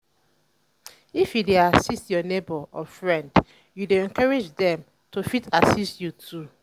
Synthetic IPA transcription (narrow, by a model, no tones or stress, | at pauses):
ifjideasistjɔnebəɔfɹɛ̃nd | judeɛ̃nkaɹed͡ʒdɛ̃m | tofitasistjutʰu